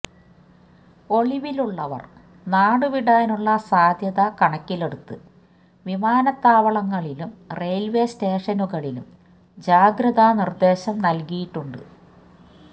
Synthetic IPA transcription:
o̞ɭiʋiluɭːɐʋɐ̰r | naːɽɨʋiɽaːnuɭːɐsaːd̪ʱjɐðɐkɐɳɐkʲːileɽut̪ːɨ | ʋimaːnɐt̪ːaːʋɐɭɐŋːɐɭilumre̞jlʋe̞ste̞ːʂɐnuɣɐɭilṵm | d͡ʑaːɡɾɐðanird̪e̞ːɕɐmnɐlkijiʈːuɳɖɨ̰

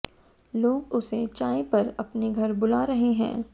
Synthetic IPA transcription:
loːɡʊset͡ʃaːepɐɾɐpneɡʱɐɾbʊlaːɾɐɦeɦɛ̰̃ː

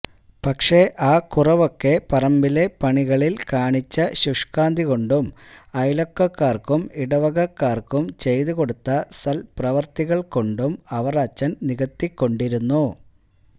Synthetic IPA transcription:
pɐkʂe̞ʔaːkurɐʋo̞kːe̞pɐrɐmbile̞pɐɳiɣɐɭilkaːɳit͡ɕːɐɕuʂkaːnd̪ʱiɣo̞ɳɖumɐjlokːɐkːaːrkumiɽɐʋɐɣɐkːaːrkumt͡ɕe̞jðuko̞ɽut̪ːɐsɐlprɐʋɐrt̪iɣɐɭko̞ɳɖumɐʋɐraːt͡ɕːɐnniɣɐt̪ːikːo̞ɳɖiɾunːu

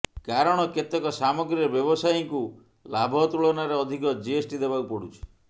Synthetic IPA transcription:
kaɾɔɽ̃ɔket̪ekɔsamɔɡɾiɔbjɔbɔsajiŋku | labʱɔt̪uɭɔnaɾeɔd̪ʱikɔd͡ʒiesʈid̪ebaupɔɽut͡ʃʰi̥

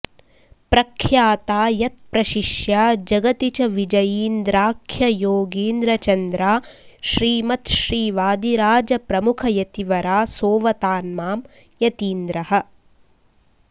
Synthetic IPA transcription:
pɾɐkʰjaːt̪aːjɐt̪̚pɾɐʃiʃjad͡ʒɐɡɐt̪it͡ʃɐʋid͡ʒɐjiːnd̪ɾaːkʰjɐjoːɡiːnd̪ɾɐt͡ʃɐnd̪ɾaːʃɾiːmɐt̪ʃɾiːʋaːd̪iɾaːd͡ʒɐpɾɐmukʰɐjɐt̪iʋɐɾaːsoːʋɐt̪aːnmaːm | jɐt̪iːnd̪ɾɐɦɐ̆

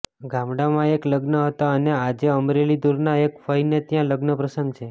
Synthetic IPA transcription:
ɡãmɽamãekləɡnəɦət̪aənead͡ʒeəmɾelid̪uɾnaekfəjnet̪jãləɡnəpɾəsəŋɡt͡ʃʰe

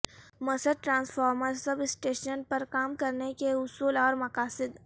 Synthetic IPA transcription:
mɐsəd̪̚ʈɾãːnsfʰaːɾməɾsɐbɪsʈeːʃənpɐɾkaːmkɐɾnekeʊsuːlɔːɾmɐkaːsɪd̪

